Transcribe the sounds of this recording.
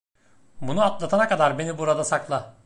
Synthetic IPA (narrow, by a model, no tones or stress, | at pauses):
bunuat̪lˠat̪ʰanakad̪aɾbe̞nibuɾad̪asaklˠa